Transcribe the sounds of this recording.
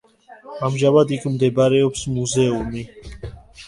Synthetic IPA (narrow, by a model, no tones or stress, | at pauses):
amʒavad̪ikʰʼmd̪ɛbaɾɛɔpsmuzɛumi